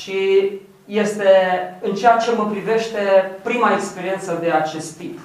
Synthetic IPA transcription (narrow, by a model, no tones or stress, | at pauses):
ʃi | je̞st̪e̞ɨnt͡ʃeat͡ʃe̞məpɾive̞ʃt̪e̞pɾimaekspe̞ɾie̞nt̪səd̪e̞at͡ʃe̞st̪ːip